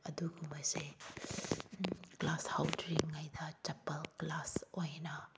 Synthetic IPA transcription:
ɐ̰duɡumɐjse | klashawdɾiŋːajdɐtɐpɐlklasojnɐ

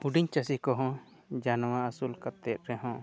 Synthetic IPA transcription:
uɖiɲt͡ʃasikɔɦɔ̃ | d͡ʒanɔwaasulkat̪ɛt̪̚ɾɛɦɔ̃

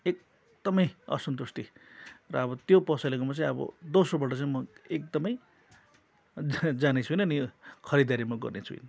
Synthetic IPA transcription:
ek̚ | d̪̥ʌmʌjʌ̰sʌnt̪ust̪irʌ̰ʌbʌt̪jopʌsalekomat͡saĩʌbʌ̰d̪osobaʈ̬ʌt͡saĩmʌek̚d̪ʌmʌj | d͡zanet͡sʰuinʌnikʰʌɾid̪aɾimʌɡʌ̰rnet͡sʰuḭn

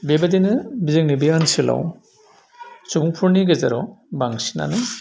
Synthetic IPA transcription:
bebadenɯbizeŋ̚nibiansila̰w | subuŋpʰuɾniɡazaɾɔ̰baŋsi̥na̰nɯ

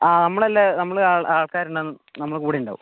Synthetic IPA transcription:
aːnɐmːɐɭɐlːenɐmːɐɭaːɭaːɭkaːɾuɳɖɐnɨ | nɐmːɐɭkuːɽijuɳɖa̰ːʋṵm

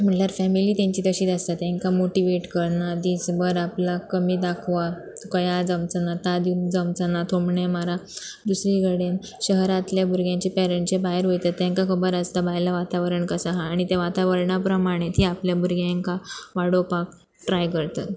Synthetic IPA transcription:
m̤əɳʈljaɾfɛmiliːt̪ãɲt͡ɕiːt̪əɕiːt̪əst̪at̪jãŋkamoʈiʋeʈkəɾnad̪isbəɾaplakəmiːd̪akʰʋa | kəjad͡zəmt͡sənat̪ad̪iund͡zəmt͡sanat̪ʰomɳemaɾad̪usɾiɡəɽen | ɕəɦɾat̪ljabʱuɾɡjãɲt͡ɕipɛɾẽɳʈt͡ɕebaɦeɾʋojt̪at̪ːjãŋkakʰəbəɾəst̪abaɦjlaʋat̪aʋəɾəɳkəsaɦãːɽ̃it̪eʋat̪aʋəɾɳapɾəmaɽ̃et̪ʰiapljabʱuɾɡjãŋkaʋaɽopak̚ | ʈɾajkəɾt̪ə

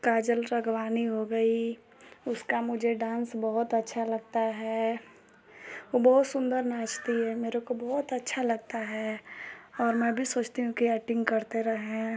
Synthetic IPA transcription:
kaːd͡ʒəlɾɐɡʋaːniɦoɡɐi | ʊskamʊd͡ʒʱeɖãːnsbɔɦʊt̪ɐtːʃʰalɐɡt̪aɦɛː | ʋobɔɦʊt̪sʊ̃nd̪əɾnaːt͡ʃt̪iɦɛmeːɾekobɔɦʊt̪ɐtːʃʰalɐɡ̚t̪aɦɛː | ɔːɾmɛ̃bʱisoːt͡ʃt̪eɦũkiɛːʈɪ̃ŋɡkɐɾt̪eɾɐɦẽ

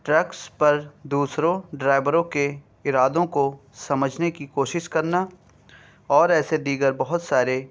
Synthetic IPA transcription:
ʈɾɛkspɐɾd̪uːsɾõɖɾaːɪʋəɾõke | ɪɾaːd̪õkosɐməd͡ʒʱnekikoːʃɪʃkɐɾna | ɔːɾɛːsed̪iːɡəɾbɐɦʊt̪saːɾe

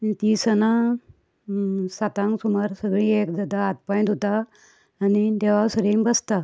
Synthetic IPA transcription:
t̪isəna | sat̪ãŋɡsumaɾsəɡɭĩekd̪ad̪aːt̪paj̃d̪ɦot̪aː | nid̪eʋasəɾimbəst̪a

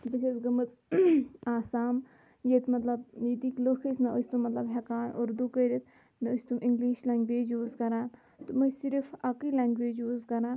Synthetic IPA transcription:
bɐt͡ʃʰet̪ɡɐmɨt͡s | aːsaːm | jet̪mɐt̪lɐb̚jet̪iklokʰisnɐʔost̪umːɐt̪lɐbɦɐkaːnoɾd̪ukəɾit̪ʰ | nɐɨst̪umʔiŋɡliːʃlaːŋɡʋeːd͡ʒjuːzkɐɾaːn | t̪umɐsiɾfɐkilʲaːŋɡʋeːd͡ʒjuːzkɐɾãː

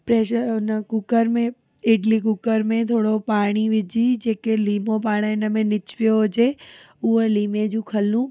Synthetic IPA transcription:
pɾeːʃəɾʊnəkʊkəɾmẽ | ɪːɖlik̬ʊkəɾmẽt̪ʰoːɽopaːɽ̃iʋɪd͡ʑid͡ʑeːkeliːmopaːɽ̃əɪnə̆mẽnɪt͡ɕʋijoɦʊd͡ʑe | ʊɦeliːmed͡ʑũːkʰɐlũ

